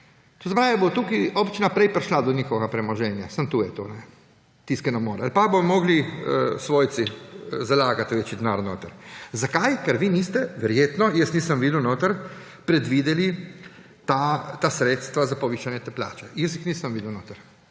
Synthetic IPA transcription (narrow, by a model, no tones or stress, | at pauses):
t̪ozapɾaːʋebot̪uːkiopt͡ʃinapɾejpɾʃlad̪ɔnixoɡapɾɛmoʒɛːnjasamt̪uːjɛt̪oːnɛ | t̪iskɛnomoːɾalpabomoɡlisʋojt̪sizalaːɡat̪ʋet͡ʃid̪naɾnoːt̪aɾzakajkɛɾʋiːniːst̪ɛʋɛɾjeːt̪nɔjəsniːsamʋiːd̪uwnoːt̪aɾ | pɾed̪ʋiːd̪ɛli | t̪at̪aːsɾeːt̪st̪ʋazapoʋiːʃanjɛt̪ɛplʲa̰ːt͡ʃɛjəs̬jixniːsamʋiːd̪ɛwnoːt̪aɾ